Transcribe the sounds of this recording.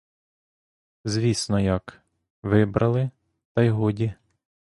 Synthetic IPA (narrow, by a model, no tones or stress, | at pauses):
zʲʋʲisnɔjɐk | ʋɪbɾɐlˠɪ | t̪ɐjɦɔdʲi